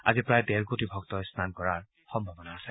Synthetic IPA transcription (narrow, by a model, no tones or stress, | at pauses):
a̰zipɹajdɛɹkotibʱɔktɔjsnankɔɹaɹ | xɔmbʱɔbɔnaːsɛ